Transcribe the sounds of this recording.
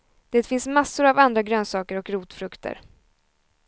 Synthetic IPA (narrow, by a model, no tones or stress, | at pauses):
d̪̥eːt̪fɪnsmasːʊɾavand̪ɾaɡɾøːnsɑːkəɾɔkɾuːt̪fɾɵkt̪ʰə̰ɾ